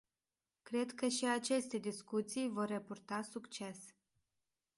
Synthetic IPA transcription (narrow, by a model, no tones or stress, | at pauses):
kɾe̞d̪kəʃiat͡ʃe̞st̪e̞d̪iskut̪sijvo̞rːepurt̪asukt͡ʃe̞s